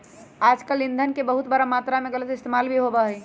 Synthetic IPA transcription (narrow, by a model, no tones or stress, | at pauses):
aːd͡ʒkəlːɪ̃nd̪ʱənkebəɦʊt̪bəɾamaːt̪ɾamẽɡələt̪ɪst̪eːmaːlbʱiɦobaɦɛ